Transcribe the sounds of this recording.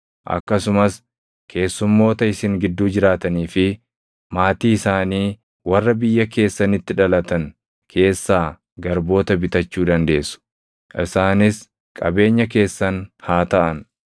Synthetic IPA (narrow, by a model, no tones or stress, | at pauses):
ʔɐ̰kːɐsʊmɐs | kʰe̞ːsːʊmːo̞ːt̪ɐɪsɪŋɡɪd̪ːuːd͡ʒɪɾaːt̪ɐniːfɪ | maːt̪iːɪsaːniː | wɐrːɐbɪjːɐke̞ːsːɐnɪt̪ːɪᶑɐlɐt̪ɐn | kʰe̞ːsːaː | ɡɐɾbo̞ːt̪ɐbɪt̪ɐt͡ʃːuːd̪ɐnd̪e̞ːsːʊ̥ | ʔɪsaːnɪs | kʼɐbe̞ːɲːɐk̬e̞ːsːɐnhaːt̪ɐʔɐn